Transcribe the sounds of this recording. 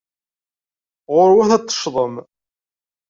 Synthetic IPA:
ʁʊɾwæθæt̪ˤːə̥ʃðˤəm

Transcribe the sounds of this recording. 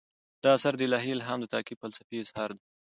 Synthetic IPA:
d̪ɑasaɾd̪əɪlɑɦilɦamd̪ət̪ɑkipəlsḁfiɪzhɑɾd̪e

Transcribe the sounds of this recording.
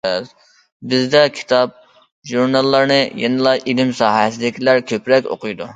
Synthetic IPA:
bɪzd̪ɛkʲʰi̥t̪ʰɑp̚ | ʒuɾnɑlˠːɑɾnɨjɛnɨlˠɑjʔilɪmsɑːɦɛs̬ɪd̪ɪkʲʰilæɾkʲʰøpɾɛkʲo̰qɨjd̪u

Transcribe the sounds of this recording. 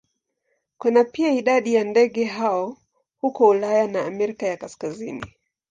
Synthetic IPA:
kunapiaiɗaɗijandɛɠɛɦaɔ | hukɔulajanaːmɛɾikajakaskazḭni

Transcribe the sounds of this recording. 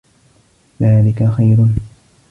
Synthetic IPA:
ðaːlɪkaxajɾʊn

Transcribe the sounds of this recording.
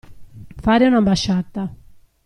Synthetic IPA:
faːɾeunambaʃːat̪ːa

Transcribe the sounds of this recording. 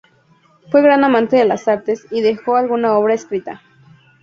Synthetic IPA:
fweɣɾanamãnt̪eðelasaɾt̪esiðexoalɣunaoβ̞ɾaeskɾit̪a̰

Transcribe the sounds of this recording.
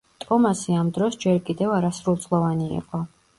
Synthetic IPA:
t̪ʼɔmasiamd̪ɾɔsd͡ʒɛɾkʼid̪ɛvaɾasɾulˠt̪sʼlˠɔvaniḭqʼɔ

